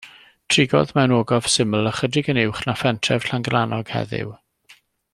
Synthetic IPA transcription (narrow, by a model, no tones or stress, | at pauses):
tʰrɪɡɔ̰ðmɛwnoːɡɔv̥sɪməlˠəχədrɪɡənɪwχnafɛntʰrɛv̥ɬaŋɡlˠanɔɡ̥hɛ̰ðɪ̰w